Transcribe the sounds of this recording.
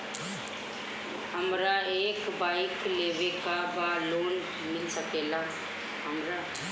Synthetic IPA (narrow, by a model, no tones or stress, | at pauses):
həmɾaeːkbaːɪkleːbekabaloːn | mɪlsəkela | ɦəmɾa